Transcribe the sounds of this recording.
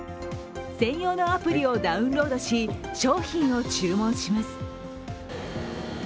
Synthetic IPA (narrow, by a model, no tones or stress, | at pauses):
sẽ̞ɰ̃jo̞ːno̞apɯ̟ɾʲio̞d̪aɯ̟̃nɾo̞ːd̪o̞ɕiɕo̞ːçĩɰ̃o̞t͡ɕɨːmõ̞ɰ̃ɕimasɨ̥